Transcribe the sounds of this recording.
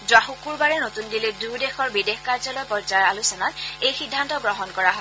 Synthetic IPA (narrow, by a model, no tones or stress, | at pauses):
zʊwaxukuɹbaɹɛnotundiledudexɔɹbidexkaɹzɔlɔjpɔɹzaɹalusɔnatejxidʱːantɔɡɹɔɦɔnkɔɹaɦɔ